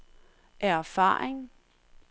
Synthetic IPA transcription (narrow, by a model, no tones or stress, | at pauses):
ʔæɐfɑ̰̈ːeŋ